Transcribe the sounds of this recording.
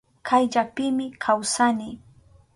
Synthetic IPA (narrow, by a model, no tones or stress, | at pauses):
kʰajʎapɪmɪkʰawsanɪ